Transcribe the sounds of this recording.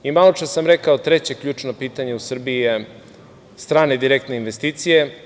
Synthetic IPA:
imalˠot͡ʃasamɾe̞kaot̪ɾe̞t͡ɕe̞kʎuːt͡ʃno̞piːt̪aɲe̞usr̩biije | st̪ɾaːne̞d̪iɾek̚t̪ne̞inʋest̪iːt̪sije̞

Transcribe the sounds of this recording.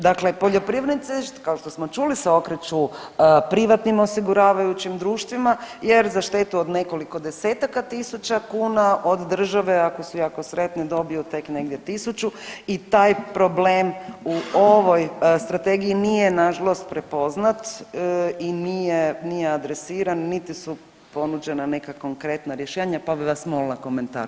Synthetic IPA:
d̪akle̞po̞ʎo̞pɾiːʋɾnit̪sekaoʃt̪osmot͡ʃulisao̞kɾet͡ʃupɾiʋat̪nimo̞siɡuɾaːʋajut͡ʃimd̪ɾuːʃt̪ʋimaje̞ɾzaʃt̪eːt̪uod̪ne̞ko̞liko̞d̪e̞seːt̪akat̪isut͡ʃakuːnaʔo̞d̪d̪ːr̩ʒaʋeako̞sujako̞sɾe̞t̪nid̪o̞bijut̪e̞kne̞ɡd̪je̞t̪isut͡ʃuit̪aːjpɾo̞bleːmuʔoʋo̞jst̪ɾat̪eːɡijinije̞naʒalˠo̞st̪̚pɾe̞po̞znat̪ | inijenijead̪ɾesiːɾanːit̪isu | po̞nud͡ʑe̞nane̞kako̞ŋkɾe̞t̪naɾjeʃeːɲapabiʋasmolilako̞ment̪a̰ːɾ

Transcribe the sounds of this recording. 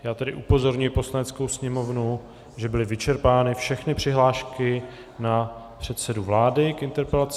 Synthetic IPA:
jaːt̪ɛdɪʔupo̞zo̞ɾɲujɪpo̞slanɛt͡sko̞wsɲɛmo̞vnu | ʒɛbɪlɪvɪt͡ʃɛɾpaːnɪfʃɛxnɪpr̝̥ɪɦlaːʃkɪ | na | pr̝̥ɛt̪sɛduvlaːdɪkɪnt̪ɛɾpɛlat͡s

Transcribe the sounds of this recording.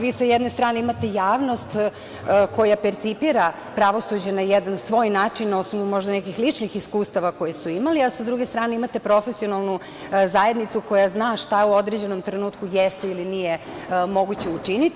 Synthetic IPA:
ʋiːsajɛd̪nest̪ɾaːneimat̪e̞jaːʋno̞st̪ | ko̞japeɾt̪sipiɾa | pɾaʋo̞sud͡ʑenajɛd̪ansʋo̞ːjnaːt͡ʂinːaosnoʋumo̞ʒd̪anɛkixlit͡ʃnixiskuːst̪aʋako̞jesuimaliasad̪ɾuɡest̪ɾaːneimat̪e̞pɾo̞fesio̞nalˠnu | zaje̞d̪nit̪suko̞jaznaʃt̪auo̞d̪ɾed͡ʑe̞no̞mt̪ɾenuːt̪kujɛst̪eilinijemo̞ɡut͡ɕe̞ut͡ʂinit̪

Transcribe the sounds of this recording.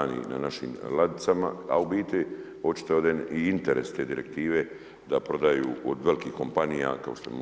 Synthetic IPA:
nḭna̰naʃḭːmlad̪it̪sama̰a̰ubiːt̪i | ho̞t͡ʃi̥t̪eod̪eniint̪eɾest̪e̞ːd̪iɾekt̪iːʋe̞ | d̪apɾo̞d̪ajuod̪ʋe̞likiːhko̞mpanija̰kaoʃt̪om

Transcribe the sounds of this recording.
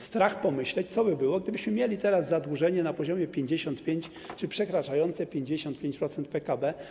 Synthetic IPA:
st̪ɾaxpɔmɘɕlɛt͡ɕt̪sɔbɘbɘwɔɡ̚d̪ɘbɘɕmɘmʲjelʲit̪ɛɾazːad̪wuʐɛɲɛnapɔʑɔmʲjɛpʲjeɲd͡ʑeɕɔnt̪pʲjeɲt͡ɕ | t͡ʂɘpʂɛkɾat͡ʂajɔnt̪sɛpʲjeɲd͡ʑeɕɔnt̪̚pʲeɲt͡ɕpɾɔt̪sɛnt̪̚pɛkabɛ

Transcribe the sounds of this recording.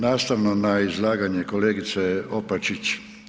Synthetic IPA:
naːst̪aʋnonaizlˠaːɡaɲekoleːɡit̪seopat͡ʃit͡ɕ

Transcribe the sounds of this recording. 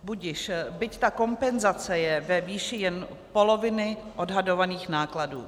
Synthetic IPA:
buɟɪʃbɪct̪ako̞mpɛnzat͡sɛjɛvɛviːʃɪjɛn | po̞lo̞vɪnɪ | ʔo̞dɦado̞vaniːxnaːkladṵː

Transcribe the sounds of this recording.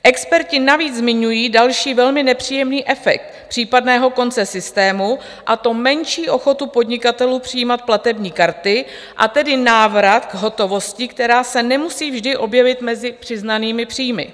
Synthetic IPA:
ʔɛkspɛɾcɪnaviːd͡zzmɪɲujiːdalʃiːvɛlmɪnɛpr̝̥iːjɛmniːʔɛfɛ̰k̚t̪̚ | pr̥iːpadnɛːɦo̞ko̞nt͡sɛsɪst̪ɛːmu | ʔat̪o̞mɛnʃiːʔo̞xo̞t̪upo̞dɲɪkat̪ɛluːpr̝̥ɪjiːmat̪̚plat̪ɛbɲiːkaɾt̪ɪ | ʔa̰t̪ɛdɪnaːvɾat̪ɡɦo̞t̪o̞vo̞scɪkt̪ɛɾaːsɛnɛmusiːvʒdɪʔo̞bjɛvɪt̪mɛzɪpr̥ɪznaniːmɪpr̝̥iːjmɪ̰

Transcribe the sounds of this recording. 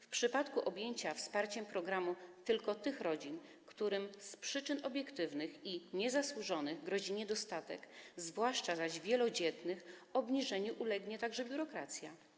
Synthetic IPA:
fpʂɘpat̪kuʔɔbʲjeɲt͡ɕafspaɾt͡ɕɛmpɾɔɡɾamut̪ɘlkɔt̪ɘxɾɔd͡ʑin | kt̪uɾɘmspʂɘt͡ʂɘnɔbʲjɛkt̪ɘvnɘxiɲɛzaswuʐɔnɘɣɡɾɔʑiɲɛd̪ɔst̪at̪ɛ̰kzvwaʂt͡ʂazaʑvʲjɛlɔd͡ʑɛt̪nɘxɔbɲiʐɛɲuʔulɛɡɲɛt̪aɡʐɛbʲjuɾɔkɾat̪sʲja

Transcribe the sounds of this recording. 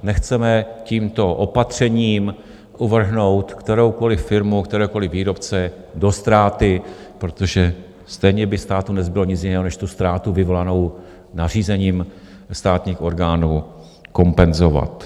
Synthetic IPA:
nɛxt͡sɛmɛciːmt̪o̞ʔo̞pat̪r̝̥ɛɲiːm | ʔuvr̩ɦno̞wt̪kt̪ɛɾo̞wko̞lɪfɪɾmukt̪ɛɾɛːko̞lɪviːɾo̞pt͡sɛ | do̞st̪ɾaːt̪ɪpɾo̞t̪o̞ʒɛ | st̪ɛjɲɛbɪfst̪aːt̪unɛzbɪloɲɪt͡sjɪnɛːɦonɛʃt̪ust̪ɾaːt̪uvɪvo̞lano̞w | nar̝iːzɛɲiːm | st̪aːt̪ɲiːxo̞ɾɡaːnuː | ko̞mpɛnzo̞va̰t̪

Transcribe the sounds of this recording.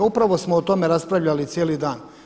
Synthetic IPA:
upɾaʋo̞smoːt̪o̞me̞ɾaspɾavʎalit̪ijeːlid̪aːn

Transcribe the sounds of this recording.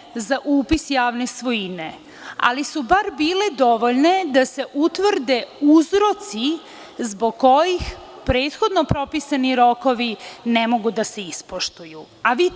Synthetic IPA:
zaʔuːpisjaːʋnesʋoine | a̰lisubaɾbiːled̪o̞ʋoʎne̞d̪ase̞ʔut̪ʋr̩d̪euzɾo̞t̪si | zbo̞ɡ̚ko̞jix | pɾeːt̪xo̞d̪nopɾo̞pisaniɾo̞ko̞ʋinemo̞ɡud̪aseispoʃt̪uju | aʋi

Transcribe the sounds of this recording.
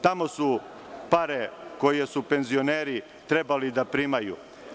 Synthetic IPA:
t̪amo̞su | paɾeko̞jesupe̞nzio̞neːɾi | t̪ɾe̞balid̪apɾiːmajṵ

